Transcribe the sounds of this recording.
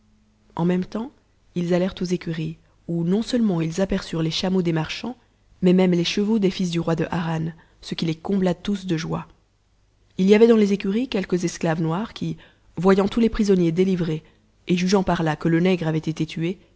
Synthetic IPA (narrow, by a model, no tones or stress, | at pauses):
ɑ̰̃mɛmt̪ɑ̃ | ilzalɛʁt̪ozekʲyʁi | unɔ̃sœlmɑ̃ilzapɛʁsyʁleʃamod̪emaʁʃɑ̃ | mɛmɛmleʃəvod̪efis̬d̪yʁwad̪əʔaʁan | səkʲilekɔ̃blat̪usd̪əʒwa | ilijavɛd̪ɑ̃lezekʲyʁikʲɛlkəzɛsklavnwaʁkʲʰi | vwajɑ̃t̪ulepχizɔnjed̪elivʁeː | ʒyʒɑ̃paʁlakələnɛɡʁavɛt̪et̪et̪ʰye